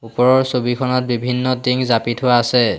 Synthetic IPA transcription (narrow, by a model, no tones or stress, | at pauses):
upɔɹɔɹsobikʰɔnɔt̚bibʱinːɔdiŋzapitʰʊwaːsɛ